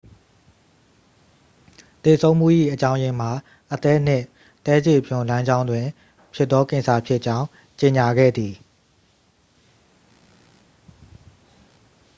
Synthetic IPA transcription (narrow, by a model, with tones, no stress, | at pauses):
t̪e˨sʰõ˦ʊ̃m̥ṵ˦˨ʔḭ˦˨ʔət͡ɕã˦ʊ̃jɪ̃˨m̥a˨ | ʔət̪ɛ˦n̥ɪ̰̃˦˨ | t̪ɛ˦d͡ʑe˦˨pʰjʊ̃˨lã˦ɲd͡ʑã˦ʊ̃ndwɪ̃˨ | pʰjɪ˦ʔt̪ɔ˦kɪ̃˨nsʰa˨pʰjɪ˦ʔt͡ɕã˦ʊ̃ | t͡ɕe˨ɲa˨ɡɛ̰˦˨d̪i˨